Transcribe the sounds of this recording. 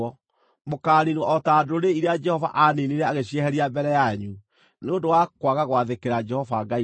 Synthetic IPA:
ɔ | mokaːninwɔɔtaːdoɾeiɾead͡ʒɛhɔva̰ʔaneniɾɛaɣeɕiɛɦɛɾiambɛɾɛjaɲu | neondowakwaɣaɣwaðekeɾad͡ʒɛhɔvaŋɡai

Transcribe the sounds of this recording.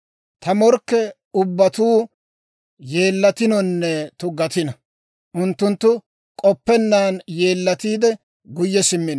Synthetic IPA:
t̪ɐmɔɾkːɛ | ʊbːɐt̪uː | je̞ːlːɐt̪ɪnɔnːɛt̪ʊɡɐt̪ɪnɐ | ʔʊnt̪ːʊnt̪ːʊ | kʼɔpːɛnːaːnje̞ːlːɐt̪iːd̪ɛ | ɡʊjːɛsɪmːɪn

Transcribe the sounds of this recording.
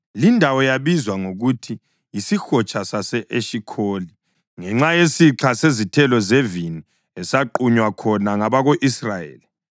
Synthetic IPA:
lindʱawɔjaβizwaŋoɣutʰi | jisixɔt͡ʃʰʼasasɛʔeʃikʰoːli | ŋɛŋ͡ǁajesiǁʰasezitʰɛlɔzevini | ɛsaǃuɲwakʰɔnaŋaβaɣoʔisrajḛːli

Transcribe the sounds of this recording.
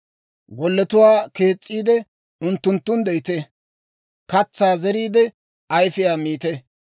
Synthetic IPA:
ɡɔlːɛt̪ʊwaːke̞ːt͡sʼːiːd̪ɛ | ʊnt̪ːʊnt̪ːʊnd̪ɛjt̪e | kɐt͡sːaːzɛɾiːd̪ɛ | ɐjfɪjaːmiːt̪ɛ

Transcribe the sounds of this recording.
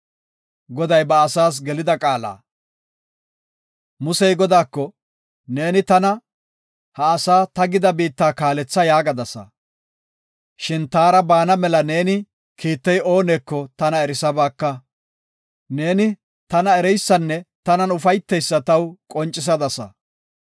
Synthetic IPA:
ɡɔd̪ɐjbɐːsaːs̬ɡɛlɪd̪ɐkʼaːla̰ː | mʊsɛjɡɔd̪aːkːɔ | ne̞ːnɪt̪ɐnɐ | hɐːsaːt̪ɐɡɪd̪ɐbiːt̪ːaːkaːlɛt͡sːɐjaːɡɐd̪ɐsɐ̰ | ʃɪnt̪aːɾɐbaːnɐmɛlɐne̞ːnɪ | kʰiːt̪ːɛjo̞ːneːkːɔt̪ɐnɐɛɾɪsɐbaːkːɐ | ne̞ːnɪ | t̪ɐnɐɛɾɛjsːɐnːɛt̪ɐnɐnʊfɐjt̪ːɛjsːɐt̪ɐwkʼɔnt͡ʃʼːɪs̬ɐd̪ɐsɐ̰

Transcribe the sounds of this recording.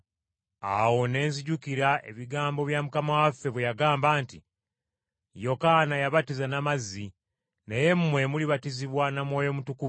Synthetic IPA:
a̰wo̞ne̞ːnziɟukiɾaʔe̞̰βiɡaːmbo̞βjamukamawafːe̞βwejaɡaːmbaːnti | jo̞kanajaβatizanamazi | neje̞mumwe̞muliβatiziβwanamwoːjo̞mutukuv

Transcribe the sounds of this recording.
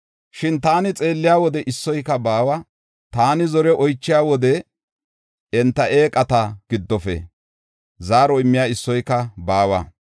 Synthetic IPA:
ʃɪnt̪aːnɪt͡sʼe̞ːlːɪjaːwɔd̪ɛʔɪsːɔjkːɐbaːwɐ | t̪aːnɪzɔɾɛʔɔjt͡ʃːɪjaːwɔd̪ɛ | ɛnt̪ːɐʔe̞ːkʼɐt̪ɐɡ̥ɪd̪ːɔfɛ̰ | zaːɾɔɪmːɪjaːɪsːɔjkːɐbaːwɐ̰

